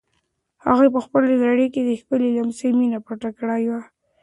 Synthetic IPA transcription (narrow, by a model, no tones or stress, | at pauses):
ha̰ɣepəxpəled̪ɾaɽeked̪əxpəlelamseminapaʈakɽajwa